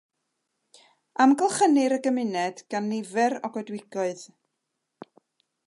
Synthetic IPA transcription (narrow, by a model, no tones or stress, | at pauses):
amɡəlˠχənɪɾəɡəmɪnɛd̥ɡ̥anːɪvɛɾɔɡɔdwɪɡ̥ɔɨð